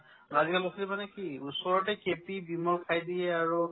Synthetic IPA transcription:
azikalɔklimanɛkiusɔɹɔtɛkepibimɔlkʰajdiɛaɹu

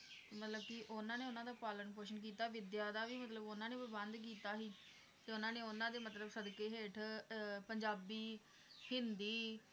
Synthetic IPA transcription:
mət̪ləbkɪʔʊnãːneːʊnãːd̪aːpaːlənpoːʃ̬ənk̬iːt̪aːʋɪd̪jaːd̪aːʋiːmət̪ləbʊnãːneːpɾbənd̪k̬iːt̪aːɦiː | t̪eːʊnãːneːʊnãːd̪eːmət̪ləbsəd̪keːɦeːʈʰpəɲd͡ʒaːbiː | hɪnd̪iː

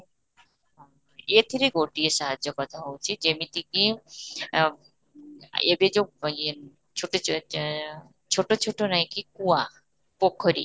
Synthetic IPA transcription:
et̪ʰiɾeɡoʈiesaɦad͡ʒɔkɔt̪ʰaɦowt͡ʃʰid͡ʒemit̪iki | ebed͡ʒo | t͡ʃʰoʈo | t͡ʃʰoʈot͡ʃʰoʈonajkikua | pokʰːɔɾḭ

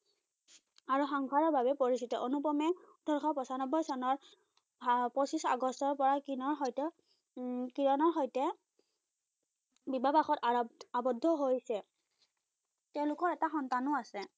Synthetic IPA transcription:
aɹuxɔŋkʰaɹɔɹbʱabɛpoɹisitɔʔonupɔmɛ | dɔɹxɔpɔsanɔbɔjsɔnɔɹ | pɔsisa̰ɡɔstɔɹpɔɹakinɔɹɦɔjtɔ | kiɹɔnɔɹxɔjtɛ | bibabaxɔtabɔdʱːɔɦojsɛ | tɛʊ̃lʊkɔɹɛtaxɔntanʊasɛ

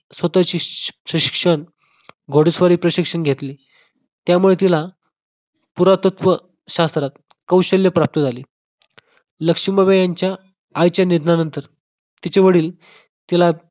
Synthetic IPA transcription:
sʋət̪at͡ɕiɕiɕi̥kʂəɳ | ɡʱoɽisʋaɾiːpɾəɕikʂəɳɡʱet̪liː | t̪jamuɭet̪ila | puɾat̪ət̪ʋə | ɕast̪ɾat̪ | kəwɕəljəpɾap̚t̪əd͡zʱaliː | ləkʂimabejaɲt͡ɕjaː | jt͡ɕjanid̪nanənt̪əɾ | t̪it͡ɕeʋəɽiːl | t̪ila

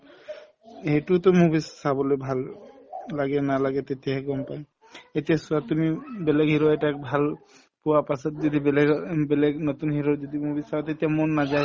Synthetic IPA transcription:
ejʈut̪ɔmubisːabɔlojbʱalː | aɡɛnalaɡɛt̪et̪iaɡɔmpaj | et̪ijasuat̪umibeleɡɦiɾoeʈakbʱal | puwapasɔt̪̚d͡ʒɔd̪ibeleɡbeleɡnot̪unɦiɾod͡ʒɔd̪imubisabɔt̪et̪ijamonːad͡ʒaj

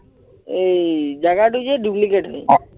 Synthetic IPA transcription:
ed͡ʒaɡaʈud͡ʑeɖuplikeʈɦɔj

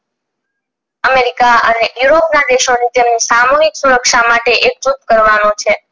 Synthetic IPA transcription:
əmeɾikaənejuɾopnad̪eʃonit̪emnisamoɦiksuɾəkʃamaʈeʔek̚t͡ʃut̪̚kəɾʋanõt͡ʃʰe

